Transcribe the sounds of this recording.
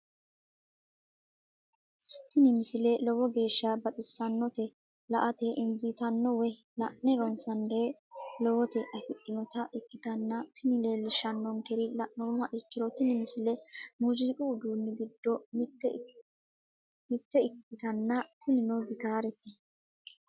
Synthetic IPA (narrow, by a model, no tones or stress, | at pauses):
t̪ɪnɪmɪsɪlelɔwɔɡe̞ːʃːɐbɐt̪ʼɪsːɐnːɔt̪ɛ | lɐʔɐt̪ɛʔɪnd͡ʒit̪ɐnːɔwɛlɐʔnɛɾɔnsɐnd̪elɔwɔt̪ɛʔɐfɪᶑːɪnɔt̪ɐʔɪkːɪt̪ɐnːɐt̪ʰɪnɪleːlːɪʃɐnːɔŋkɛɾɪlɐʔnɔmɐʔɪkːɪɾɔt̪ɪnɪmɪsɪlɛmʊd͡ʒiːkʼʊʊd̪uːnːɪɡɪd̪ːɔmt̪ː | mɪt̪ːɛɪkːɪt̪ɐnːɐt̪ɪnɪnɔbɪt̪aːɾɛt̪ɛ